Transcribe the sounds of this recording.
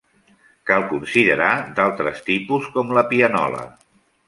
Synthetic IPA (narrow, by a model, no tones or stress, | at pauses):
kalˠkunsiðəɾad̪alˠt̪ɾəst̪ipuskɔmləpiənɔ̰lə̰